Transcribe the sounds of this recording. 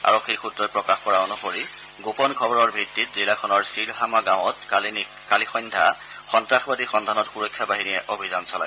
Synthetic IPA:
a̰ɹokʰːixutːɹɔjpɹɔkaxkɔɹaɔnuxoɹi | ɡopɔnkʰɔbɔɹɔɹbʱitːit̚zilakʰɔnɔɹsiɹɦamaɡãw̃ɔt | kalixɔjndʱa | xɔntɹaxbadixɔndʱanɔtxuɹɔkʰːjabaɦiniɛʔobʱizansɔla̰j

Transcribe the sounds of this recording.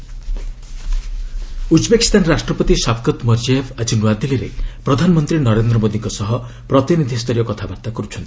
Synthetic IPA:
ud͡ʒbekist̪ʰanɾasʈɾɔpɔt̪isapʰkɔt̪mɔɾd͡ʒiebad͡ʒinwad̪iliɾḛpɾɔd̪ʱanɔmɔnt̪ɾinɔɾend̪ɾɔmod̪iŋkɔsɔɦɔ | pɾɔt̪inid̪ʱist̪ɔɾjɔkɔt̪ʰabaɾt̪akɔɾut͡ʃʰɔnt̪i̥

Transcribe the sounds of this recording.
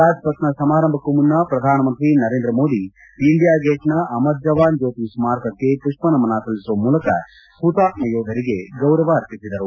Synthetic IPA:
ɾaːd͡ʒpɐt̪nɐsɐmaːɾɐmbʱɐkumunːɐpɾɐd̪ʱaːnɐmɐnt̪ɾinɐɾeːnd̪ɾɐmoːd̪i | iɳɖijaːɡeːʂnɐʔɐmɐt̪̚d͡ʒɐʋaːnd͡ʒoːt̪iʋsmaːɾkɐkːe̞puʂpɐnɐmɐnaːsɐlisuʋɐmuːlɐkɐ̰ | puːt̪aːt̪̚mɐjoːd̪ʱɐɾiɡeɡɐwɾɐʋɐːɾpisid̪ɐɾu

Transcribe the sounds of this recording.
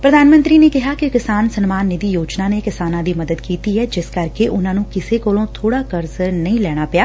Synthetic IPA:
pɾəd̪aːnmə̃nt̪ɾiːneːkɪɦaːkɪkɪsaːnsənmaːnːɪd̪iːjoːd͡ʒnãːneːkɪsaːnãːd̪iːməd̪əd̪kiːt̪iːɦɛːd͡ʒɪskəɾkeʔʊnãːnũːkɪseːkoːlõːt̪ʰoːɽaːkəɾzənəĩːlɛːɽ̃aːpɪjaː

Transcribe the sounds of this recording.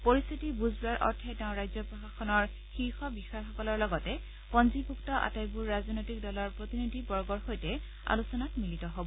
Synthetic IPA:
poɹist̪ʰitibuzbuaɹʔɔ̰ɹtʰɛtɛʊ̃ɹajzɔpɹɔxaxɔnɔɹ | xiɹxɔbixajxɔkɔlɔɹlɔɡɔtɛ | pɔnzibʱuktɔʔa̰tajbuɹːaznojtik̚dɔlɔɹpɹotinidʱibɔɹɡɔɹxojtɛ | a̰lusɔnatmilitɔɦobɔ

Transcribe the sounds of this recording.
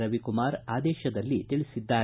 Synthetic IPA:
ɾɐʋikumaːɾaːd̪ɛːʃɐd̪ɐlːit̪iɭisid̪ːaː

